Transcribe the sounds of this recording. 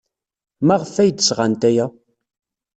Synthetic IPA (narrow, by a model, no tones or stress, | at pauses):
mæʁəfæjd̪əsʁant̪æjæ